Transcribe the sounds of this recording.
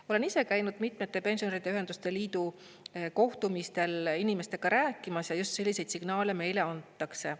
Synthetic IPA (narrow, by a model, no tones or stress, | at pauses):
o̞le̞nise̞kæjnud̪̥mit̪ːˑme̞t̪ːˑe̞pe̞nsjoeɾid̪eyɦe̞nd̪ust̪e̞liːd̪u | ko̞ht̪umist̪e̞linime̞st̪e̞ɡ̥ɑɾæːkːˑimɑsjɑjust̪se̞lʲːise̞jd̪siɡ̥nɑːle̞me̞jle̞ɑnt̪ːˑɑkse̞